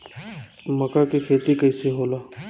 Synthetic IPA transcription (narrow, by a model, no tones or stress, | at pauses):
məkakikʰeːt̪ikəjsiɦoːlaː